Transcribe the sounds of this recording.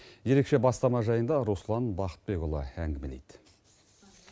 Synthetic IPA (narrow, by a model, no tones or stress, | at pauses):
je̞ɾe̞kʃe̞bɑst̪ɑmɑʒɑjənd̪ɑɾuslˠɑnbɑqə̥t̪̚be̞ɡʊlˠə̰æŋɡʲɪmelḛjd̪̥